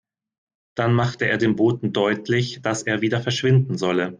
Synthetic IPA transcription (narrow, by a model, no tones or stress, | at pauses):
d̥anmaχtəʔeːɐdeːnboːtn̩dɔʏtlɪçd̥asʔeːɐviːdɐfɛɐʃv̥ɪndn̩zɔlə